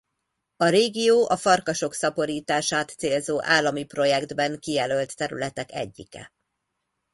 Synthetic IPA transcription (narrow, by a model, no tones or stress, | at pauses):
ɒɾeːɡijoːʔɒfɒrkɒʃo̞ksɒpo̞ɾiːt̪aːʃaːt̪seːlzoːʔaːlːɒmipro̞jɛɡd̪bɛŋkijɛlølt̪ːɛɾy̰lɛt̪ɛkɛ̰ɟːḭkɛ̰